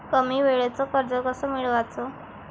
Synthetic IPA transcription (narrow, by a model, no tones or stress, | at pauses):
kəmiːʋeɭat͡sɔkəɾd͡zɔkəsɔmiɭʋat͡sɔ